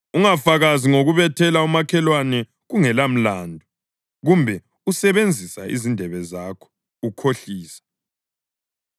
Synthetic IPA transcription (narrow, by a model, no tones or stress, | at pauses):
uŋafaɣaziŋoɣuβɛtʰɛlaumakʰɛlwanɛ | ɣuŋɛlam̩laːndʱɔ | ɣumbʱɛ | usɛβend͡zʱisa̰ḭzindʱɛβɛzaːkʰɔ̥ | ukʰoɬiːsḁ